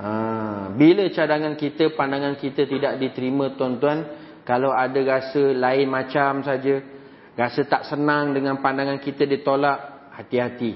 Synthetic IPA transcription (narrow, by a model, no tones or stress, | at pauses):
abilət͡ʃadaŋankit̪əpandaŋãnkit̪ət̪idaʔdit̪əɾimə̃t̪ɔnt̪uan | kalawadaɾasəlaɪnmãt͡ʃamsad͡ʒə | ɾasət̪aʔsənaŋdəŋanpandaŋankit̪ədit̪olaʔ | hat̪iɦat̪i